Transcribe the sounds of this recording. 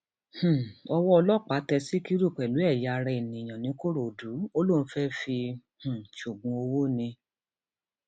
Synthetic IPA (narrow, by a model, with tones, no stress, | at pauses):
h̩˨ɔ˧wɔ˦ɔ˧lɔ˦˨k͡pa˨˦tɛ˧si˦ki˦ɾu˦˨k͡pɛ˨lu˨˦ɛ˦˨ja˨˧ɾɛ˧i˨nĩ˨j̃ã˨nĩ˨˦ko˦ɾo˨du˨˦o˦lo˦˨ñ̩˦fɛ˦fi˧h̩˨ʃu˨ɡ͡bũ˨˦o˧wo˦nĩ˧